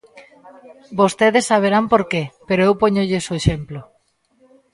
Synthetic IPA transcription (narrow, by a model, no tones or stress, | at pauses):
bost̪eðesːaβeɾampoɾkepeɾoewpoɲoʎesoeʃemplo